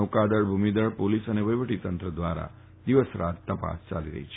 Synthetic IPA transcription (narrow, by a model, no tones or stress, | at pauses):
okad̪əɭbʱumid̪əɭpolisəneʋəjʋəʈit̪ənt̪ɾəd̪ʋaɾa̰ | d̪iʋəsɾat̪t̪əpa̰st͡ʃa̰liɾə̰ɦit͡ʃʰ